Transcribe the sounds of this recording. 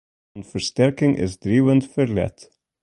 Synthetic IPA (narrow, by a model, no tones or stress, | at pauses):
nfəɹstɛɹkɪ̃ŋʔɪ̰zdɹivə̃ndfəɹlɛ̰t